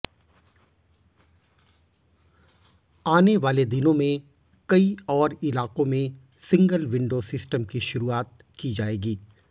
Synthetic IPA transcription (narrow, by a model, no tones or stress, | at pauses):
aːneʋaːled̪ɪnõmẽ | kɐiɔːɾɪlaːqõmẽ | sɪ̃ŋɡəlʋɪ̃ɳɖoːsɪsʈəmkiʃʊɾuaːt̪̚ | kid͡ʒaːeːɡiː